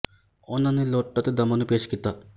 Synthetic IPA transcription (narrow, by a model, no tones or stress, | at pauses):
onaneloʈːat̪ed̪ɐmanupeʃkit̪a